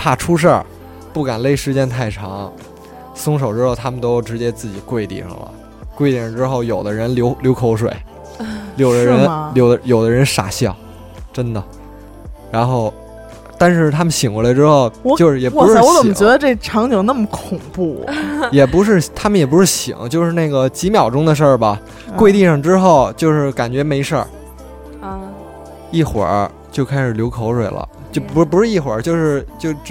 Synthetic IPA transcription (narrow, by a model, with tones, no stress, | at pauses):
pʰa˥˩ʈ͡ʂʰu˥ʂ̬ə˞˥˩ | pu˥˩ka˨˩nle˥˧ɪʂɻ̩˥˧t͡ɕjɛ˥nt̪ʰa˥˩ɪʈ͡ʂʰɑ˧˥ŋ | sʊ˥ŋʂ̬o˨˩ʊʈ͡ʂɻ̩˥xo˥˩ʊt̪ʰa˥mə˨nt̪o˥ʊ˩ʈ͡ʂɻ̩˧˥t͡ɕjɛ˥t͡sɹ̩˥˩t͡ɕi˨˩kwe˥˩ɪt̪ḭ˥˩ʂɑ̰˨˩ŋlə̰˩ | kwe˥˧ɪt̪i˧˥˩ʂɑ˥˧ŋʈ͡ʂɻ̩˥xo˥˩ʊjo˨˩ʊd̪ə˦ɻə˧˥nljo˧˥ʊljo˧˥ʊkʰo˧˥ʊʂwḛ˨˩˦ɪ | ljo˨˩ʊd̪ə˦ɻə˧˥˧nljo˨˩ʊd̪ə˧jo˨˩ʊd̪ə˦ɻə˧˥nʂa̰˨˩ɕjɑ˥˩ʊ | ʈ͡ʂə˥nd̪ə˨ | ɻa˧˥nxo˥˩ʊ | t̪a˥˧nʂɻ̩˥˩t̪ʰa˥mə˨nɕi˨˩ŋwlə˧ʈ͡ʂɻ̩˥xo˥˩ʊ˧jo˥˧ʊʂɻ̩˥˩jɛ˨˩˧u˥ʂɻ̩˥wɔ˧˥t͡sə˨˩m˩t͡ɕɥɛ˧˥d̪ə˧ʈ͡ʂe˥˩ʈ͡ʂʰɑ˧˥ŋt͡ɕi˨˩ŋna˥˩mə˩kʰʊ˨˩ŋpu˥˩jɛ˨˩pu˧˥ʂ̬ɻ̩˥˩t̪ʰa˥mə˨njɛ˨˩p̬u˧˥ʂɻ̩˥˩ɕḭ˨˩˦ŋt͡ɕjo˥˧ʊʂɻ̩˥˧na˥˩ɡə˩t͡ɕi˧˥mjɑ˨˩ʊʈ͡ʂʊ˥ŋd̪ə˨ʂ̬ə˞˥˩bɐ˩ | kwe˥˧ɪt̪i˥˧ʂɑ˥˩ŋʈ͡ʂɻ̩˥xo˥˩ʊt͡ɕjo˥˧ʊʂɻ̩˥˩ka˨˩nt͡ɕɥɛ˧˥me˧˥ɪʂə˞˥˧˩ | i˥˩xwə̰˞˨˩˥ | t͡ɕjo˥˧ʊkʰa˥ɪʂɻ̩˨˩ljo˧˥kʰo˧˥ʊʂwe˨˩ɪlʔə̰˦ | t͡ɕjo˥˩ʊpu˧˥pu˧˥ʂɻ̩˥˧i˥˩xwə̰˞˨˩˥t͡ɕjo˥˧ʊʂɻ̩˥˧t͡ɕjo˥˧ʊ